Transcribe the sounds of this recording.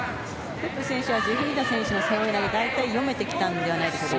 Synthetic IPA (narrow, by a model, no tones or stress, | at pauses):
kokːɯ̟sẽ̞ɰ̃ɕɨβad͡ʑɨːɦɯ̟̃ɲt̪asẽ̞ɰ̃ɕɨnosejoinaɡed̪ait̪aijo̞me̞t̪ekʲi̥t̪ãnd̪e̞β̞anaid̪esoo